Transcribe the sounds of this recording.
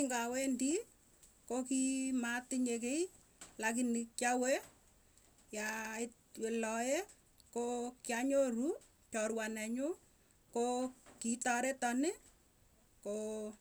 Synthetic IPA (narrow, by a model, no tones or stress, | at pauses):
ŋɡawendi | kokimatɪɲekei | lakinikjawe | jaɪt | welɔje | kokjaɲoru | t͡ʃɔɾwanɛɲʊ | kokitɔɾetɔnɪ | ko